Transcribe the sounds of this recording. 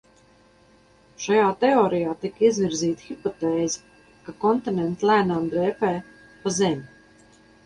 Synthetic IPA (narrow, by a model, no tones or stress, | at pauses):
ʃajaːt̪ɛɔːɾijaːt̪ikizviɾziːt̪xipɔt̪ɛːzi | kakɔnt̪inʲɛnt̪slˠæːnamd̪ɾɛːpɛː | pazemʲi